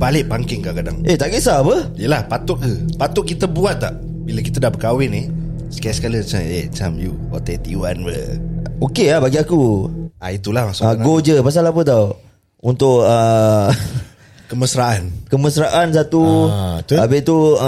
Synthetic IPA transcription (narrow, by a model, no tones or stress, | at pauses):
balɪʔ̚baŋkɪŋkakada̰ŋet̪aʔɡeʔsapəijəlahpat̪ʊʔ̚kəpat̪ʊʔ̚kit̪əbuat̪̚ːaʔ | biləkit̪ədahbəkawɪnɪh | sə̥kajasə̥kalimat͡ʃaet͡ʃamju | ɔ̰t̪ɛt̪iuanwə̰okeabaɡiakuait̪ulahmasʊʔaɡod͡ʒəpas̬alapət̪aw | unt̪ʊʔə | kəməsɾaʔankəməsɾaʔans̬at̪ut̪abɪt̪u